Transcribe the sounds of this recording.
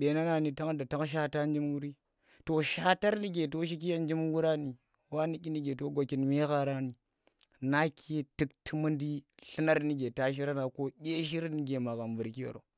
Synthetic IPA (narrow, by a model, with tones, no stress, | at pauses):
ɓe˨˦na˦na˨ni˨ta˦ŋda˨ta˦ŋʃ̬a˦ta˦n˦d͡ʒi˦mwu˦ɾi˦ | to˨ʃa˦ta˦ɾni˦ɡe˨t̬o˦ʃ̬i˦k̬i˦ja˦n˦d͡ʒi˦mwu˦ɾa˦ni˨ | wa˦ni˦kʲi˦ni˦ɡe˨to˦ɡo˨ki˨nme˦ɣa˦ɾa˦ni˨ | na˦kʰe˦ti˦ktʰi˦mu˦ndi˦ɬi˦na˦ɾni˦ɡe˨ta˦ʃ̬i˦ɾa˦na˨ko˦ɡʲe˦ʃ̬i˦ɾni˦ɡe˨ma˨ɣa˨mvu˨ɾki˦wo̰˨ɾo̰˨